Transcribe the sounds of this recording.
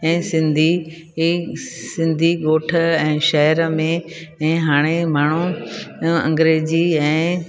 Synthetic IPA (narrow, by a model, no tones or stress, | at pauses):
ɛ̃ːsɪ̃nd̪ʱi | sɪ̃nd̪ʱiɠoːʈʰəɛ̃ːʃɐɦəɾəmẽ | ɛ̃ːɦaːɽ̃emaːɳ̤u | ɐ̰̃ŋɡɾeːd͡ʑiɛ̃ː